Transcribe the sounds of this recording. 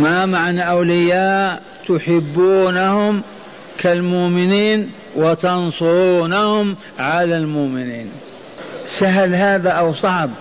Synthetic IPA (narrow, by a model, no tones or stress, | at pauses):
mamaʕnaʔawlɪjaːʔ | t̪ʊħɪbːuːnahʊm | kalmʊʔmɪniːn | wɪt̪ɑnsˤʊɾuːnahʊm | ʕalalmʊʔmɪniːn | saɦalhaːðaʔawsˤɑʕb